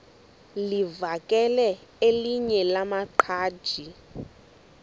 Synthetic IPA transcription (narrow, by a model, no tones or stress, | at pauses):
livakʼɛlɛeliɲɛlamaǃʰaːd̥ʒ̥ʱi